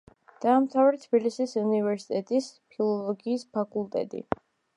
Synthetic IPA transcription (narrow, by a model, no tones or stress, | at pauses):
d̪̥aːmt̪ʰavɾɛt̪ʰb̥ilisisunivɛɾsi̥t̪ʼɛt̪ʼispʰilˠɔlˠɔɡiːspʰakʼulˠt̪ʼɛ̰t̪ʼḭ